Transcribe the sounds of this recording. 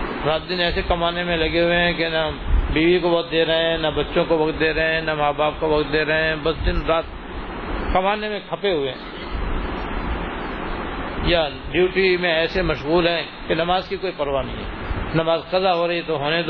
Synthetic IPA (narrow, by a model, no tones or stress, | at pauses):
ɾaːt̪̚d̪ɪnɛːsekɐmaːnemẽlɐɡeɦʊeɦɛ̃k̬enabiːʋikoʋɐkt̪̚d̪eːɾɐɦẽɦɛ̃nabɐtːʃõkoʋɐkt̪̚d̪eːɾɐɦẽɦɛ̃namaːbaːp̚koʋɐkt̪̚d̪eːɾɐɦẽɛ̃bɐsd̪ɪnɾaːt̪̚ | kɐmaːnemẽkʰɐpeɦʊeɦɛ̃ | jaɖjuːʈimẽɛːsemɐʃɣuːlɦɛ̃ | kenɐmaːzkikoːipɐɾʋanɐɦĩɦɛ̰ːnɐmaːzqɐzaɦoɾɐit̪oɦoːned̪